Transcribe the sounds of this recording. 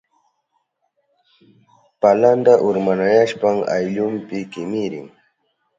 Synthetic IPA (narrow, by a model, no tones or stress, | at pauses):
paland̪aʔʊɾmanajaʃpaŋa̰jʎʊmpɪkɪmɪɾɪŋ